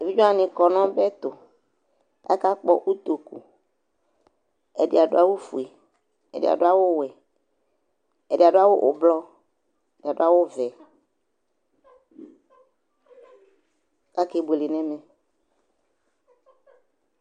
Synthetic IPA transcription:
e˨vi˦d͡ʒɔ˦a˨nɪ̃˨kɔ˨nɔ̃˦bɛ˦t̪ʊ˨ | a̰˦ka˦k͡pɔ˦ʔu˦t̪o˨kṵ˨ | ɛ˨dḭ˨a˨do̰˦a˦wo˦fu˨e˨ | ɛ̰˨dḭ˨a̰˨do˦a˦wo˦wɛ˨ | ɛ˨di˨a˨ɖo˦a˦wo˦ʔʊ̰˨blɔ˦ | ɛ˨di˨a˨da˦wo˦vɛ˨ | ka˦ke˨bu˨e˨lɪ˨nɛ̃˦mɛ̃˨

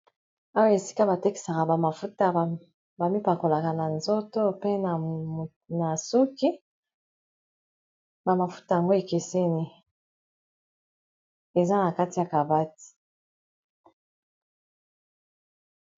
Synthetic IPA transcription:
a˦wa˦e˨si˦ka˦ba˨te˦ki̥˨sa˨ka˨ba˨ma˨fu˦ta˦˨ | ba˨mi˦pa˨ko˨la˨ka˨na˨nzo˦to˦pe˦na˨ | na˨su˦ki˦ | ba˨ma˨fu̥˦ta˨ja˨ŋɡo˦e˨ke˨se˦ni˦ | e˨za˦na˨ka˦ti˨ja˨ka˨ba˦ti̥˨

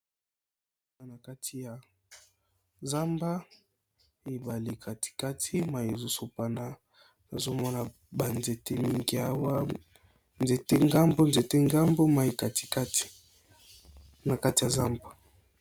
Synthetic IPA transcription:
na˨na˨ka˦tʰi˦ja˨ | za˦mba˦ | e˨ba˨li˨kʰa˨ti̥˨ka˦tʰi˦ma˨je˨zu˦su˨pa˨na˦ | na˨zo˦mɔ˦na˨ | ba˨nze˨te˦mi˦ŋɡi˦a˦wa˦ | nze˨te˦ŋɡa˦mbo˦nze˨te˦ŋɡa˦mbo˦ma˨i˨ka˨ti̥˨ka˦ti̥˨ | na˨ka˦ti˨ja˨za˦mba˨

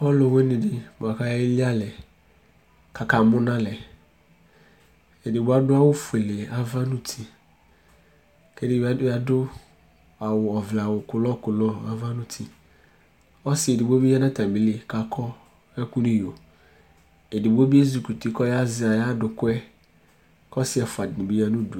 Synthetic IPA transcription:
pɔ˦lʊ˨we˦nɪ̃˨dɪ˨m˨a˨ka˦je˦li˦a˦lɛ˨ | kʰa˨ka˨mʊ˦nã˦lɛ˨ | e˨dɪ˨bʊ˦a˦dʊ˦a˦wʊ˦fu˨e˨le˨a˦va˦nu˨tʰi˨ | kɛ˦dɪ˦˨ba˦a˨dʊ˦ | a˨wʊ˨ɔ˨vla˨wʊ˨kʊ˨lɔ˦kʊ˨lɔ˦a˨va˦nʊ̃˦tʰi˨ | ɔ˦sɪ˨e˨dɪ˨bo˦bi˦ja˦nã˦tã˨m˨bi˨˦le˦˨ka˨kʰɔ˦ | ɛ˦ku˦nĩ˦jo˨ | e˨di˨bo˦bi˦e˦zu˨ku˨ti˦kɔ˦ja˦zɪ˦a˨ja˦dʊ˨kʊ˦ɛ˦ | kɔ˦sɪ˦ɛ˨fʊ˨a˨dɪ˨nɪ̃˨bi˦a˦nʊ̃˦du˨

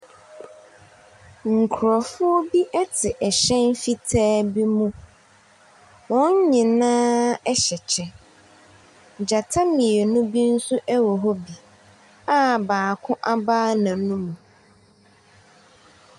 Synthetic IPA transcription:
ŋ̩˨kʰʊ˨ɾɔ˨fʊ˦ɔ˦bi˦ʔɛ˦tʰɪ˨ʔɛ˨ɕɛ̃˦n˦fi˦tʰɛː˦bi˦mũ˦ | wɔ̃˦ɲ˦ɲɪ̃˨nãː˦ɛ˦ɕɛ˨t͡ɕʰɛ˨ | d͡ʑa˨tʰa˦mɪ̃˨ɛ˨nũ˦bi˦n̩˦sʊ˦ʔɛ˦wɔ˨ɦɔ˦bi˨ | a˦baː˨kʰʊ̃˦ʔa˦baː˦nã˨nũ˦mũ˨

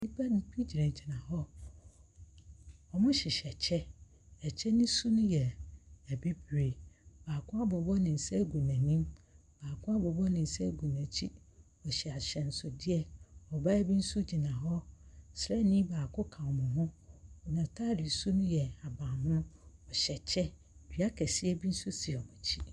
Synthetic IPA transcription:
ni˦pʰa˦nʊ̃˨˦pʰi˦d͡ʑi˨ɾɛ̃˨t͡ɕʰi˨nã˨ɦɔ˦ | ɔ˨mʊ̃˦ɕɪ˨ɕɛ˨t͡ɕʰɛ˦ | ɛ˨t͡ɕʰɛ˦nĩ˦su˦nʊ̃˦jɛ˨ɛ˨bi˦bɾe˨baː˨kʰʊ˦a˦bɔ˨bɔ˦nɪ̃˨n̩˨sɛ˦ɡu˨nã˨nĩ˦m | b̥aː˨kʰʊ̃˦a˦bɔ˨bɔ˦nɪ̃˨n̩˨sɛ˦ɡũ˨nã˨t͡ɕʰi˦ | ɔ˨ɕɛ˨a˨ɕɛ˨n̩˨sʊ˨dɪ˦ɛ˨ɔ˨ba˦bĩ˦n̩˦su˦d͡ʑi˨nã˨ɦɔ˦sɾɛ˦nĩ˦baː˨kʰʊ˦kʰã˨ɔ˨mʊ̃˨ɦʊ̃˦ɔ˨nã˨tʰaː˦dɪ˨su˦nʊ̃˦jɛ˨a˨bãː˨hʊ̃˦nʊ̃˦ɔ˨ɕɛ˨t͡ɕʰɛ˦˨ | di˨˦a˦kʰɛ˨sɪ˦ɛ˦bi˦n̩˦su˦si˨ɔ˨mʊ̃˨t͡ɕʰi˦

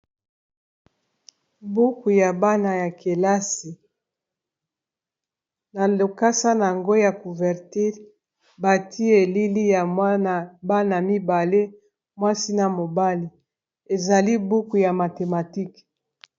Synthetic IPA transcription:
bu˦ku˨ja˨ba˦na˨ja˨ke˨la˦si˨ | na˨lo˨ka˦sa˦na˨ŋɡo˦ja˨ku˨vɛ˨ʁti˦ʁ | ba˨tʰi˦e˨li˦li˦ja˨ma˦na˨ba˦na˨mi˦ba˨le˦ | mwa˦si˦na˨mo˨ba˦li˨ | e˨za˨li˦bu˦ku˨ja˨ma˨te˨ma˨ti˦k

